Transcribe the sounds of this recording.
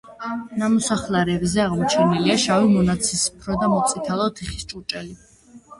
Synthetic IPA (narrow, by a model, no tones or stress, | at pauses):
namɔsaχlaɾɛbzɛaʁmɔt͡ʃʰɛniliaʃavimɔnat̪sʰispʰɾɔd̪amɔt̪sʼit̪ʰalˠɔt̪ʰiχi̥st͡ʃʼut͡ʃʼɛli